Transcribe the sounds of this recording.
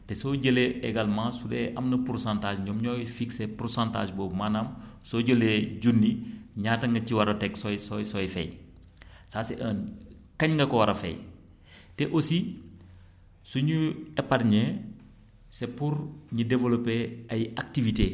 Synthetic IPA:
tɛsoːɟəleeɡalmãːsudɛʔɐmnɐpuɾsãntaːd͡ʒɲɔːmɲɔːjfiksepursãnta̰ːʒboːmanɐmsoːɟəleɟunːiɲaːtɐŋɡɐciwɐɾɐtɛɡsɔjsɔjsɔjfɛ̰j | saːsḛʔəːnkɐɲŋɡɐkɔwɐɾɐfɛ̰j | tɛʔosi | suɲuɛparɲɛ | sepuɾɲidevolopeɐjak̚tivite

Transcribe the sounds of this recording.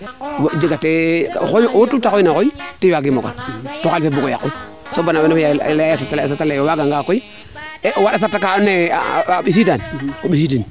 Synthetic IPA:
wd͡ʒiɡatḛxojwotutaoinakoitiwaɡimoka̰ntokalfebuɡoja̰kːu | sobanabenojaljasatas̬atalejowaɡaŋɡakoi | ʔwaɗasatakanḛɓis̬idanoɓisidin

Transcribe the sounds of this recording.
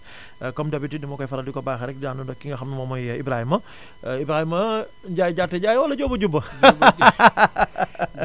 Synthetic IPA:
kɔmdɐbitidimɔkɔjfɐɾɐdikɔbaxɛɾɛk̚ddaːnundɔkːiŋɡɐxɐmːimɔmɔjɐibɾahimɐ | ibɾahimɐ | ɟaːjiɟatːɛɟaːjwɐlɐɟɔbɐɟubːɐ

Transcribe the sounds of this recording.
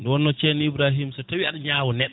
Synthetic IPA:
ndɛwɔnːɔt͡ʃɛniibɾaɦimsɔtawiaɗaɲawɔnɛɗːɔ

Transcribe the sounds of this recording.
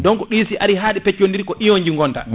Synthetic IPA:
dɔŋkɔɗisiʔaɾiɦaːɗipɛt͡ʃːondiɾkɔʔijɔɲd͡ʒiŋɡɔnta̰

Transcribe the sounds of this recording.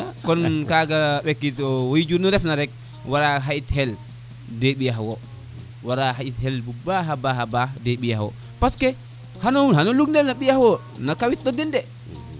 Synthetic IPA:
kɔnkaɡaɓɛkːitɔwojid͡ʒunɔɾɛfnaɾɛk̚ | waɾaɦaithɛl | deɓijaɦwɔ | waɾaɦaithɛlbubaɦabaɦabadeɓijahwɔ̰ | paskɛ | hanɔwuɦanɔluɡnɛlnaɓijahwɔ | nakawit̚ɗɔdɛndɛ

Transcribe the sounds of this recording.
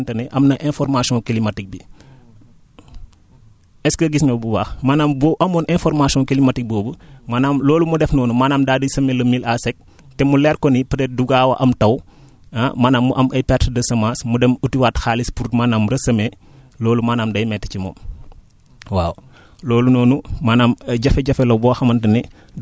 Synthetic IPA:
ntɐnɛʔɐmnɐʔɛnfɔrmasiɔ̃kilimɐtik̚bi | ɛskɐɡisɲɔbuwaxmaːnaːmbɔʔɐmɔːnʔɛnfɔrmasiɔ̃kilimatik̚bɔːbumaːnaːmlɔːlumudɛfnɔːnumaːnaːmdaːdisɐmelɐmilasɛk̚ | tɛmulɛːɾkɔnipɐɾɛt̚duɡaːwɐ̰ʔɐmtɐw | ɐmaːnaːmːuʔɐmʔɐjpɛtdɐsɐmaːsmudɛmutiwaːtxaːlispuɾtmaːnaːmɾɐsɐme | lɔːlumaːnaːmdɐjmɛtːɛ̥cimɔ̰ːm | waːw | lɔːlunɔːnumanaːmɟɐfɛɟɐfɛlɔbɔːxɐmɐntɐni

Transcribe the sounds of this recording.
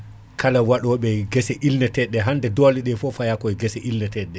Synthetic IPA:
kʰalawaɗɔɓɛɡɛsɛʔilnɛtɛɗːɛɦandɛdɔliɗɛfɔfajakɔɛɡɛsɛʔilnɛtɛɗːɛ

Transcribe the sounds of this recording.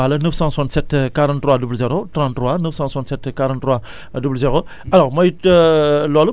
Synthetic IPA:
alɐnəfsɑ̃swãnt̪sɛt̪kaɾãnt̪ːɾwadubluzeɾot̪ɾãnttːɾwanəfsãswant̪sɛt̪kaɾãntːɾwa | dubluzeɾo | ɐlɔʁmɐj | lɔlu

